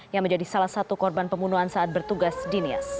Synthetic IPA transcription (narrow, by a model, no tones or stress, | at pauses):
jaŋməɲd͡ʒadisalahsat̪ukɔrbanpəmbunuɦansaʔat̪̚bərt̪uɡasdinia̰s